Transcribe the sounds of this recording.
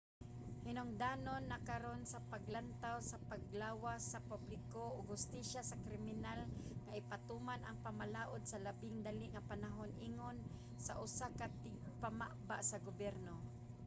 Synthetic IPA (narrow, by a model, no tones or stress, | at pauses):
hɪnoŋd̪aːnonːakaɾonsapaɡlant̪awsapaɡ̚laːwasapublɪkooɡhʊst̪iʃasakɾɪmɪnalŋaʔɪpat̪umanaŋpamalaːʔod̪̚salabɪŋd̪aliʔŋapanaɦonʔiːŋon | saʔʊsakat̪ɪɡ̚pama̰ʔbaʔsaɡobɛɾno